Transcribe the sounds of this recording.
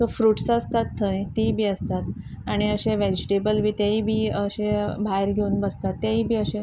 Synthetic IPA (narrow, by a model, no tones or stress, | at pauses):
sofɾuːʈsəst̪at̪ʰːə̃j̃t̪ibʱiːəst̪at̪ | aɽ̃iəɕẽʋed͡ʑiʈebəlʋʱiːt̪jaɦiːbʱiːəɕẽbʱaeɾɡʱeunbəst̪at̪ːjaɦiːbʱiːəɕẽ